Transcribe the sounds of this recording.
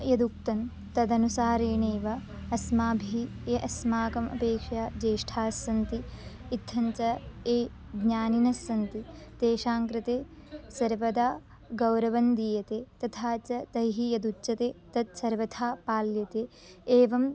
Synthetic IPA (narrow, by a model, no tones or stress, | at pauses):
jɐd̪uk̚t̪ɐn | t̪ɐd̪ɐnusaːɾeːɳeːʋɐ | ɐsmaːbʱi | eʔɐsmaːkɐmɐ̰peːkʂaːd͡ʒeːʂʈʰaːsːɐnt̪iit̪ʰːɐɲt͡ʃɐeː | ɡɲaːninɐsːɐnt̪id̪̥eːʃaːŋkɾɪt̪eː | sɐɾʋɐd̪aː | ɡɐwɾɐʋɐnd̪iːjɐt̪eːt̪ɐt̪ʰaːt͡ʃɐt̪ɐjɦijɐd̪ut͡ʃːɐt̪eːt̪ɐt̪̚sɐɾʋɐt̪ʰaːpaːljɐt̪eː | eːʋɐm